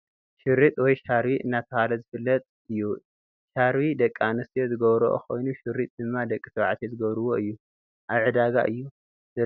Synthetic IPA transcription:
ʃɪɾːit̪ʼwɔjʃaɾwiʔɨnːat̪ʰɐhalɐzɨfɨlːɐt̪ʼ | ɨjːu | ʃaɾwid̪ɐkʼːanɨst̪ʰijozɨɡɐβɾoʔkʰo̞̰jnuʃɪɾːit̪ʼd̪ɨmːad̪ɐkʼːisʰɐβʕat̪ʰizɨɡɐβɾɨwo̞ʔɨjːu | ʔaβʕɨd̪aɡa̰ʔɨjːu | zɐ

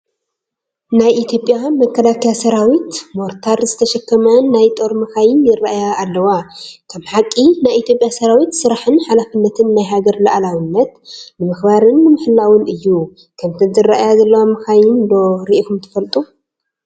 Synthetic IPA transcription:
najʔit̪ʰjopʼːjamɐkʰːɐlakʰɐjasɐɾawit̪moɾt̪ʰaɾzɨt̪ʰɐʃɐkːɐmɐnajt̪ʼo̞ɾmɨxajɪnjɪraʔjaːlːɐwakʰɐmħakʼːinajit̪ʰjo̞pʼjasɐɾawit̪sɨɾaħɨnħalafɨnːɐt̪ʰɨnːajɦaɡɐɾlɐʔalawɨnːɐt̪̚nɨmɨxbaɾɨnːɨmɨħɨlːawɨnɨjːu | kʰɐmt̪ʰɨnzɨrːaʔjazɐlːɐwamɨxajɪnd̪o̞ɾiʔfumt̪ʰɨ̥fɐlt̪ʼu

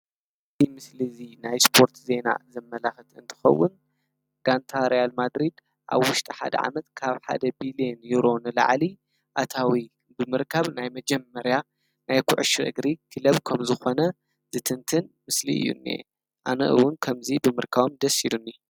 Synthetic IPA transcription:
ɨzimɨslizinajspʰo̞ɾt̪ʰze̞na̰zɨmːɐlaxɨt̪ʰɨ̰nt̪ʰɨ̥xɐ̰wːʊn | ɡ̥ant̪ʰaɾijalmad̪ɾid̪ | ʔa̰βwʊʃt̪ʼiħa̰d̪ɐ̰ʕa̰mɐt̪kʰaβħa̰d̪ɐbilienjuɾo̞nɨla̰ʕli | ʔat̪ʰawi | bɨmɨɾkʰɐβnajmɐd͡ʒɛmːɐɾja | najkʰʊʕʃʔɨ̰ɡɾikʰɨlɐβkʰɐmzɨxo̞nɐ | z̥ɨt̪ʰɨnt̪ʰɨnmɨslḭɨ̰jːṵnːḛ | ʔanɐ̰ʔɨ̰wʊnkʰɐmzibɨmɨɾkʰaβomd̪ɐsilunːi

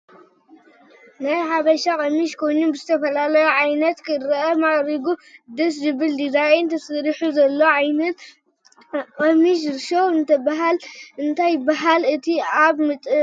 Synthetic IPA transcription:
najħaβɐʃakʼɐmiʃkʰo̞jɲubɨzɨt̪ʰɐfɐlalɐjuʕajnɐt̪kʰɨɾɨʔɐmaɣʼɾiɡud̪ɨs̬zɨβɨld̪izajent̪ʰɐsɨɾiħuzɐlːo̞ʕajnɐt̪ | kʼɐmiʃ̬ɾʃowɨnt̪ʰɐbaɦalʔɨnt̪ʰajːɪbaɦalɨt̪ʰiaβmɨt̪ʼ

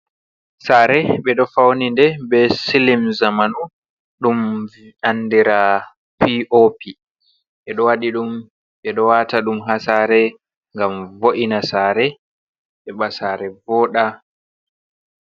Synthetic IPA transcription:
saːɾɛɓɛɗɔfawnindɛbɛsilimzamanu | ɗumvanːdiɾa | piʔopʰi | ʔɛɗɔwaɗiɗum | ɓɛɗɔwataɗumɦasaːɾɛ | ŋɡamvoʔinasaːɾɛ | ɓɛɓasaːɾɛvɔːɗa

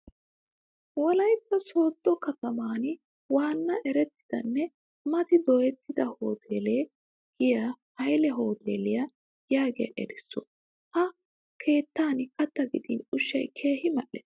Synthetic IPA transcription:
wɔlɐjkːɐso̞ːd̪ːɔkɐt̪ɐmaːn | waːnːɐʔɛɾɛt̪ːɪ̥d̪̥ɐ̰nːɛ | mɐt̪ɪd̪ɔjɛt̪ːɪd̪ɐho̞ːt̪ʰeːleː | ɡɪjɐhɐjlɛɦo̞ːt̪ḛːlɪjɐ | jaːɡɪjɐ̰ʔɛɾɛsːɔ | hɐ | kʰe̞ːt̪ːaːnkɐt̪ːɐɡɪd̪ḭːnʊʃːɐjkʰeːhɪmɐʔːɛ̰ːs

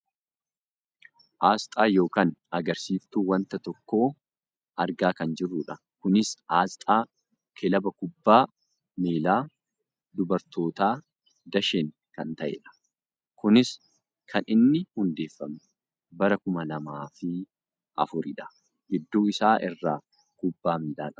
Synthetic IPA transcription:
ʔaːst̪ʼaːjo̞ːkaːnɐɡɐɾsiːft̪uːwɐnt̪ɐt̪ɔkːo̞ː | ʔɐɾɡaːkɐnd͡ʒɪrːʊᶑɐ | kʊnɪsaːst̪ʼaː | kʰɛlɐbɐkʊbːaː | meːlaː | d̪ʊbɐɾt̪o̞ːt̪aː | d̪ɐʃeŋ | kɐnt̪ɐʔḛːᶑɐ̥ | kʊnɪs | kʰɐnɪnːɪhʊnd̪e̞ːfːɐmʊ | bɐɾɐkʊmɐlɐmaːfɪ | ʔɐ̰fʊɾɪᶑɐ̥ | ɡɪd̪ːuːɪsaːʔɪrːaː | kʊbːaːmiːlaːᶑɐ

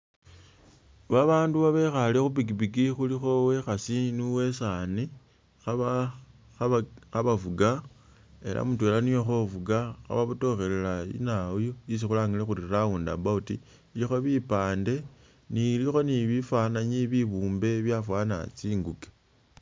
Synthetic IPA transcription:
βaβaːnduβaβexalexupiɡibiɡixulixo̞we̞xasinuwe̞sani | xaβafuɡa | e̞lʔa̰mutwelanijoxovuɡaxa̰βaβuto̞xe̞lelaḭnaojois̬ixulaːŋilexuɾirauːndabautiː | lixo̞βipaːnde̞ | nilixo̞niβifwanaɲiβiβuːmbe̞βjafwaːna̰t͡siːŋɡuke̥

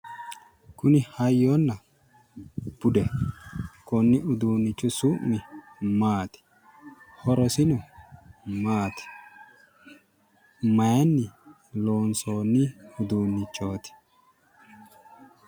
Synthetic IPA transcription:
kʊnɪhɐjːoːnːɐ | b̥ʊd̪ɛ | kɔnːɪʊd̪uːnːɪt͡ʃːʊsumːɪ | maːt̪ɪ̥ | hɔɾɔsɪnʊ | maːt̪ɪ̥ | mɐjɐnːɪ | lo̞ːnsoːnːɪʊd̪uːnːɪt͡ʃːo̞ːt̪ɪ̥

